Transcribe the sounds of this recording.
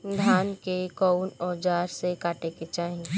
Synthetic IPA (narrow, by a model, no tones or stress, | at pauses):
d̪ʱaːnkekɔʊnɔːd͡ʒaːɾsekaːʈeket͡ʃaːɦĩ